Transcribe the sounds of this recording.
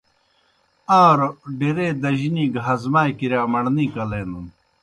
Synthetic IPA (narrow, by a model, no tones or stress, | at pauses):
aːɾoɖiɾeːd̪ɐʑiniːɡɦazmaːjkiɾjaːmɐɽniːkɐleːnun